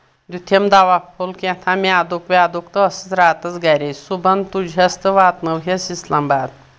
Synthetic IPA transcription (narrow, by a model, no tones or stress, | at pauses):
d̪ʲut̪ʰemd̪aʋapʰolkẽt̪ʰamʲaːd̪ukʋʲaːd̪ukt̪ɨɐsit͡sɾaːt̪ɐt͡sɡɐɾʲesubɐnt̪ud͡ʒʱɐst̪ɨʋaːt̪mɐwɦʲɐsislambaːd̪